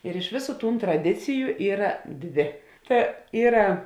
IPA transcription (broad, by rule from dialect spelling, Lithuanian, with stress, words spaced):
ɪr ɪʃ ˈʋʲeːˌsuː tuːn trɐˈdʲɪt͡sʲɪjʊ ˈiːrɐ ˈdʲʋʲeː ˈtɐ ˈiːrɐ